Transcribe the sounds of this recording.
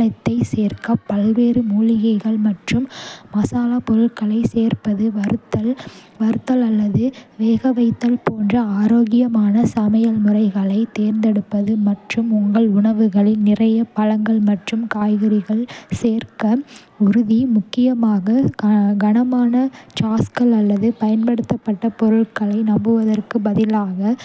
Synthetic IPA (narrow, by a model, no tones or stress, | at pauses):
ɐt̪ːɐɪseːrkɐpːɐlʋeːɾɯmuːlɪɣɐɪɣɐɭmɐʈrɯmːɐsaːlapɔɾɯʈkɐɭɐɪseːrpɐðɯt̪ːɐ | ʋɐɾɯt̪ːɐlɐlːɐðɯʋeːɣɐʋɐɪt̪ːɐlpoːndrɐaːɾoːɣɪjɐmaːnɐsɐmɐjɐlmɯrɐɪɣɐɭɐɪt̪eːɾnd̪ɛɽɯpːɐðɯmɐʈrɯmʊŋɡɐɭʊɳɐʋɯɣɐɭɪlnɪrɐjɐpɐɻɐŋɡɐɭmɐʈrɯmkaːjɣɐɾɪɣɐɭseːrkɐ | ʊɾʊðimʊkːɪjɐmaːɣɐɡɐɳɐmaːnɐt͡ʃaːskɐɭɐlːɐðɯpɐjɐnpɐɽɯt̪ːɐpːɐʈːɐpɔɾɯɭkɐɭɐɪnɐmbɯʋɐðɐrkɯbɐðɪlaːɣɐ